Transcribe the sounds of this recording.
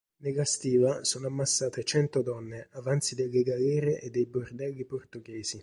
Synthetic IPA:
nelːast̪iːvasoːnoamːasːaːt̪et͡ʃɛnt̪od̪ɔnːeʔavant̪sid̪elːeɡalɛːɾeʔed̪ːejbord̪ɛlːiport̪uɡɛːzi

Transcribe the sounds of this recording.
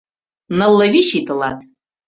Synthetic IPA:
nɐlˠːɐviʃitʰʼɨlatʼ

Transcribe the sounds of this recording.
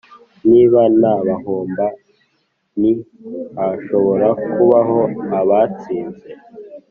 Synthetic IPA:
niːβanaβahoːmba | nihaʃo̞βo̞ɾakuβaɦo̞aβat͡siːnze

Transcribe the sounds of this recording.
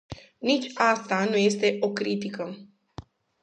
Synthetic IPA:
nit͡ʃʲast̪anuje̞st̪e̞ʔo̞kɾit̪ikə

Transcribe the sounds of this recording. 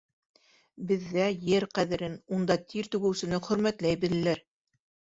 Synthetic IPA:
bɘ̆ðːæjɘɾqæðɘ̆ɾɘnund̪ɑt̪ʰiɾt̪ʉɡɘ̆wsɘ̆nɘχɵ̆ɾmæt̪læjbɘ̆lɘ̆læɾ

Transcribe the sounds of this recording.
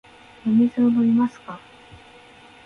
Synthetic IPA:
jomʲisoːd̪oimasɨ̥ka

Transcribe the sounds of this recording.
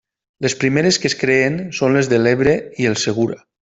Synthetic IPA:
lespɾimeɾeskeskɾeːnsonlezðeleβɾeielˠseɣ̞uɾa

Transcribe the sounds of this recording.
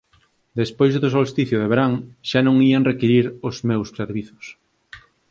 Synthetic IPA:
d̪espojzðosolst̪iθjʊðeβeɾaŋʃanõŋieŋrekiɾiɾʊzmewsːeɾβiθʊ̥s

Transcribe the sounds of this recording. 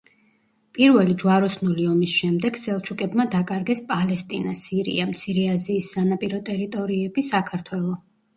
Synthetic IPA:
pʼiɾvɛlid͡ʒwaɾɔsnuliɔmisʃɛmd̪ɛɡ̥sɛlˠt͡ʃʰukʼɛbmad̪akʼaɾɡɛspʼalɛst̪ʼinasiɾḭamt̪sʰiɾɛaziːsːanapʼiɾɔt̪ʼɛɾit̪ʼɔɾiɛbisakʰaɾt̪ʰwɛlˠɔ

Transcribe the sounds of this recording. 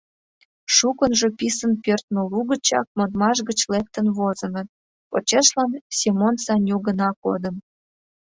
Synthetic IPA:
ʃukənʒopisənpørt̪noluɣət͡ɕɑ̰k̚mod̪mɑʃ̬ɣət͡ɕlek̚t̪ənβozə̆nə̆t̪̚ | po̰t͡ɕeʃlɑnsʲimonsɑnʲjuɣənɑko̰d̪əm

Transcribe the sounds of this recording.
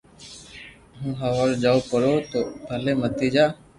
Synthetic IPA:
ɦũːɦəʋaːɾd͡ʒaːopəɾoːt̪oːbʱəleːmət̪iːd͡ʒaː

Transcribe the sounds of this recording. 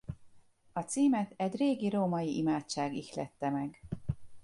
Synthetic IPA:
ɒt̪siːmɛt̪ɛɟreːɡiɾoːmɒjiʔimaːt͡ʃaːɡixlɛ̰t̪ːɛmɛɡ

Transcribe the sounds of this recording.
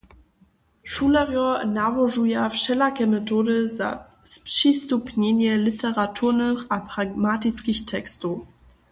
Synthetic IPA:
ʃulaʁjɔnavɔʐujafʂɛlakʲɛmɛtɔdəza̰ | spʂistupɲɛɲɛlitʰɛʁatʰuʁnəxapʁ̥aɡmatɪt͡skʲixtʰɛkstu

